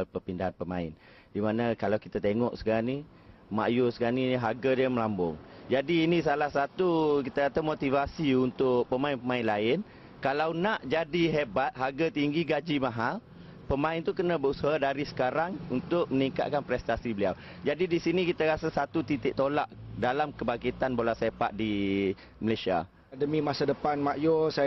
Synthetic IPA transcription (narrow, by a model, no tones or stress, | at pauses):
pəpindaɦanpəmã̰ɪ̰n | dimanakalawkit̪at̪eŋɔʔsə̥kaani | ma̰ʔjusəɡaniɦaɡadiəməlambʊ̰ŋd͡ʒadiːnis̬alahsat̪ukit̪akat̪amot̪ivasiunt̪ʊʔ̚pəmaɪnpəmaɪnlaɪn | kalawnaʔd͡ʒadiɦebat̪̚ɦaɡat̪iŋɡiɡad͡ʒimaɦal | pəmãɪnt̪ukənãbəusaɦadaɾisə̥kaɾaŋunt̪ʊk̚məniŋka̰t̪̚kanpɾɛst̪asibəlia̰w | d͡ʒadidisinikit̪aɾasasat̪ut̪it̪ɪʔ̚t̪olaʔdalamkəbakit̪anbolasepa̰ʔ̪̚di | məlajsia̰ | dəmĩmasadəpanmaʔjɔs